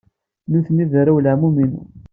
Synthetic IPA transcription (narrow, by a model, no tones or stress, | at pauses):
nuθəniðɾæwlaʕmuminṵ